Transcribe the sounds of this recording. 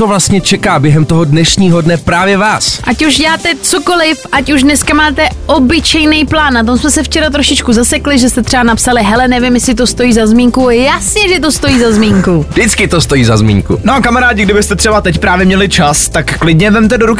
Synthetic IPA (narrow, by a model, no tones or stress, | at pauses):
ovlast̪ɲɛt͡ʃɛkaːbjɛɦɛmt̪oɦodnɛʃɲiːɦo̞dnɛpɾaːvjɛvaːsʔacuʒɟɛaːt̪ɛt͡soko̞lɪfʔacuʒdnɛskamaːt̪ɛʔobɪt͡ʃɛjnejplaːnːat̪o̞msmɛsɛft͡ʃɛɾat̪ɾo̞ʃɪt͡ʃkuzasɛklɪʒɛst̪ɛt̪r̥ɛbanapsalɪɦɛlɛnɛvɪmjɛsɪt̪o̞st̪o̞jiːzazmiːŋkujasɲɛʒɛt̪̬o̞st̪o̞jiːzazmiːŋkudɪt͡skɪt̪ost̪ojiːzazmḭːŋkkṵnokamaɾaːɟɪɡdɪbɪst̪ɛt̪r̥ɛbat̪ɛcpɾaːvjɛmɲɛlɪt͡ʃast̪akːlɪdɲɛvɛmt̪ɛdoɾukɪ